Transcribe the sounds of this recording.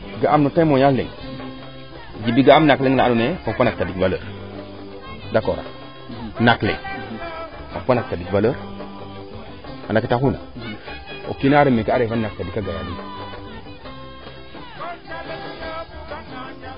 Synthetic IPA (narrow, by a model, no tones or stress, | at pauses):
ɡaʔamnotamojallḭŋ | d͡ʒibiɡaamnakliŋlanuneopanak̚tadikvaləɾ | dakoɾa̰ | naklḛŋ | opanak̚tadikvaləɾ | alakitakuna̰ | o̰kinaɾemekaaɾevannak̚tadikaɡaja̰di